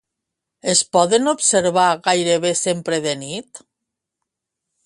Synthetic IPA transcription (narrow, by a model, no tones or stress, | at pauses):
espɔðenopseɾβaɣajɾeβ̞esempɾeðenit̪